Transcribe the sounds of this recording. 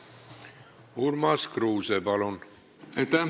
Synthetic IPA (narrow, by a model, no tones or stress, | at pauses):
uɾmaskɾuːzɛbalon | ɛt̪a